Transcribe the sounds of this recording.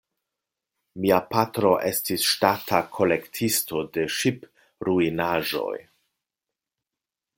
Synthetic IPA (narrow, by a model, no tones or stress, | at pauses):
miapatɾo̞ʔe̞stisʃtatʰakʰo̞le̞ktʰisto̞de̞ʃip | ɾuinaʒo̞̰j